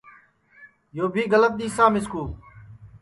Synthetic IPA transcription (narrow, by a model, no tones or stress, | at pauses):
joːbʱiːɡələt̪̚ɗ̪iːsaːmɪskuːl